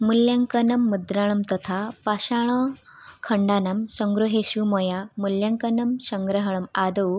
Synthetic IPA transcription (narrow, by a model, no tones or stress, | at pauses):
muljaŋkənɐmːud̪ɾaɳ̃ɐmt̪ət̪ʰapaɕaɽ̃ə | kʰəɳɖanamsəŋɡɾuɦeɕumɔjamuljaŋkənəmsəŋɡɾəɦɳəmad̪əw